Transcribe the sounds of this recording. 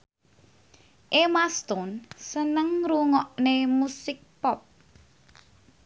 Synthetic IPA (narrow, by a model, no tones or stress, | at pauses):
ʔemast̪ɔnsənəŋɾuŋɔʔnemusɪk̚pɔp̚